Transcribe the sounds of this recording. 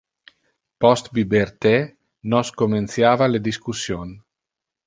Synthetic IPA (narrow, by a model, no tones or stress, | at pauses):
pɔst̪bibeɾt̪e | nɔskomensjaːvaled̪iskusjon